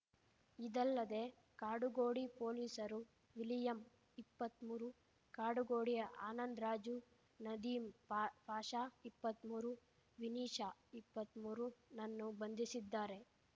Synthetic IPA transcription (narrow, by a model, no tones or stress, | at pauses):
id̪ɐlːɐd̪e̞ː | kaːɽuɡoːɽipo̞ːliːsɐɾu | ʋilijɐm | ipːɐt̪muːɾu | kaːɽuɡoːɽijɐʔaːnɐnd̪ɾaːd͡ʒu | nɐd̪iːmbʱaːʃaːipːɐt̪muːɾu | ʋiniːʂaːipːɐt̪muːɾunɐnːubɐnd̪isid̪ːaːɾe̞